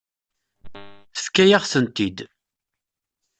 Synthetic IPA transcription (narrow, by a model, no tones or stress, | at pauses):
θθkːæjaʁθənt̪id̪